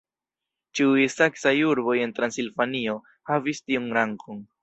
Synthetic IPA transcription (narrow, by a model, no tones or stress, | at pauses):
t͡ʃiujsaksajuɾbo̞je̞ntɾansilvanio̞ | havistiunɾaŋkʰon